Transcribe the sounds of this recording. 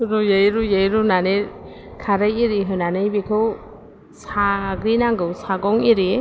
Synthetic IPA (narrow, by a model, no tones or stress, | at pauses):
ɾujajɾujajɾunaneɾ | kʰaɾɯjiɾiɦɯnanɯjbikʰɯw | saɡɾinaŋɡɯwsaɡɔŋiɾi